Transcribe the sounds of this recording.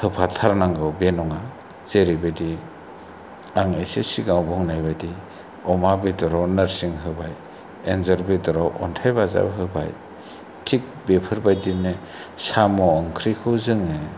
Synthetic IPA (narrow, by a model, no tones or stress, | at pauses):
hɯpʰatʰaɾnaŋɡɯbenɔŋa | z̥eɾibadi | aŋesesiɡawbɔŋnajbajdi | ɔmabedɔɾɔwnɯɾsiŋɦɯbaj | enzaɾbedɔɾɔwʔɔ̰ntʰajbaza̰bɦɯba̰j | tʰik̚bepʰɯɾbajdine | samɔːŋkʰɾikʰɯwzɯŋe